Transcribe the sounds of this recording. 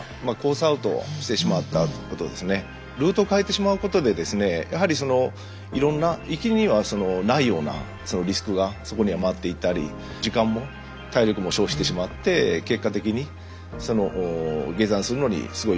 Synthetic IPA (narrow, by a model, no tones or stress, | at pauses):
mako̞ːsaɯ̟t̪o̞̰ɕi̥t̪e̞ɕimat̪ːako̞t̪o̞d̪e̞sɨne̞ | ɾɯ̟ːt̪o̞kaet̪eɕimaɯ̟ko̞t̪o̞d̪e̞d̪e̞sɨne̞jʔaɦaɾʲiso̞no̞ | iɾõ̞nːaikʲiɾʲiɲ̟iβaso̞no̞naijo̞ːna̰ | so̞no̞ɾʲisɨ̥kɯ̟ɡaso̞ko̞ɲ̟iamat̪ːeit̪ːaɾʲḭ | d͡ʑikãmːo̞ | t̪aiɾʲo̞kɯ̟mo̞ɕo̞ːɕi̥t̪e̞ɕimat̪ːe̞ke̞kːat̪e̞kʲiɲ̟i | so̞no̞ʔːɡe̞zãɰ̃sɨɾɯ̟no̞ɲ̟ḭsɨɡo̞